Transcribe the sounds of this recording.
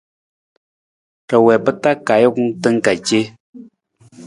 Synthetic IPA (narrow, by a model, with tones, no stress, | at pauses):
kə˨wɛ˨pə˦ta˦ka˨jo˦ktə˦ŋ̩˦˨ka˨ke˦